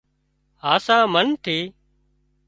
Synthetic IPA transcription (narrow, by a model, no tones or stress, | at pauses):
aːsãːmənt̪ʰeː